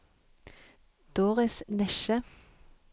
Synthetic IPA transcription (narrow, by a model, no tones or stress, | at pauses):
d̪̥oːʁɪsnɛʃə